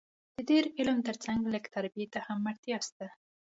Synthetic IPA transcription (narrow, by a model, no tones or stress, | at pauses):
d̪̥ədeɾɪlmt̪əɾt͡saŋɡləkt̪aɾbiet̪ahamːaɾt̪jɑst̪a